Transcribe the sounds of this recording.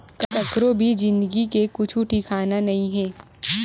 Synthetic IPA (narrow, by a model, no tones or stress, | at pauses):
kɐtɐkɾobʱid͡ʒɪ̃nd̪əɡikekʊt͡ʃʰuʈʰiːkʰaːnanɐɦĩɦɛ̃ː